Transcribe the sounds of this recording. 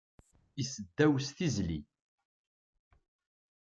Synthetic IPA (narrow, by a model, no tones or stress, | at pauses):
isəd̪ːæwsθizlḭ